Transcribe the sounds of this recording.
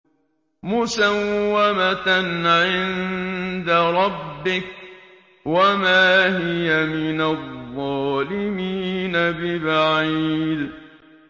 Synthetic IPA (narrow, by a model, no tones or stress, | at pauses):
mʊsawːamat̪anʕɪnd̪aɾˤɑbːɪk̚ | wamaːhɪjamɪnaðˤːɑːlɪmiːnabɪbaʕiːd̪